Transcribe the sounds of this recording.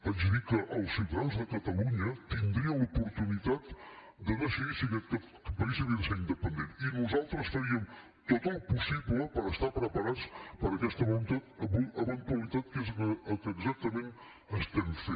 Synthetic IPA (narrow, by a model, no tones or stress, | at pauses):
əzðikəʔəlˠsfiwt̪əðanzðəkət̪əluɲət̪ind̪ɾiəlupuɾt̪unit̪at̪ | d̪ənosəɣisəɣikə | əpəɣisəɣiðəseɾind̪əpənd̪eninuzalˠt̪ɾəsfəɾiəm | t̪ot̪əlˠpusiβləpəɾəst̪apɾəpəɾat͡spəɾəkɛst̪əβnt̪at̪əβuəβənt̪uəlˠit̪at̪̚kezəkəːɡzak̚t̪əmen | əst̪ɛmfe